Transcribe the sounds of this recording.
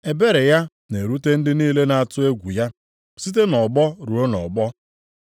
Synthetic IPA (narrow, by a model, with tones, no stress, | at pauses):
e˨be˦ɾe˨ja˦ | ne˨ɾu˦te˦n̩˦dɪ˦niː˦le˦na˨a˨tʊ˦e˦ɡʷu˨ja˦ | si˦t̬e˦nɔ˨ɡ͡bɔ˦ɾu˨o˦nɔ̰˨ɡ͡bɔ˦